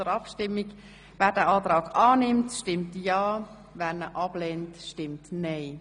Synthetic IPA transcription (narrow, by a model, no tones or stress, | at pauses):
əɾɑpʃtɪmːiɡ | vɛːɾdəʔaːtɾaːɡaːnɪmtʃtɪmtjaː | vɛnəʔɑb̥lentʃtɪmtnɛɪ